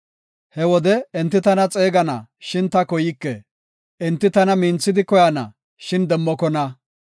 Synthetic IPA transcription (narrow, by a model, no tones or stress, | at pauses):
hɛwɔd̪ɛɛnt̪ːɪt̪ɐnɐt͡sʼeːɡɐnɐ̰ʃɪnt̪ɐkɔjɪkːɛ | ɛnt̪ːɪt̪ɐnɐmiːnt͡sːɪd̪ɪkɔjanɐ̰ | ʃɪnd̪ɛmːɔkɔnɐ